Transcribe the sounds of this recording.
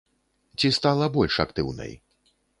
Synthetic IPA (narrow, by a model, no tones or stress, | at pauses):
t͡sʲist̪alˠɐbɔlʲʂakt̪ɨ̰wnɐ̰j